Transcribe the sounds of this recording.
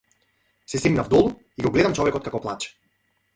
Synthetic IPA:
sɛsiɡnavd̪ɔlˠu | iɡɔɡlɛd̪amt͡ʃɔvɛkɔt̪kakɔplˠat͡ʃɛ̥

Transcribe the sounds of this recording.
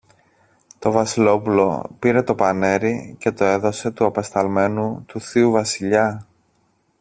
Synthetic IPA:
t̪o̞vɐsilo̞pulo̞̰piɾe̞t̪o̞pɐne̞ɾice̞t̪o̞e̞ðo̞se̞t̪uɐpɐst̪ɐlme̞nut̪uθiuvɐsiʎɐ

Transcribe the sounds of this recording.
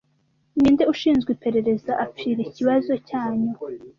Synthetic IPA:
niːndeuʃiːnzɡwipe̞ɾe̞ɾe̞zaʔap͡fiːɾeciβazo̞caːɲo

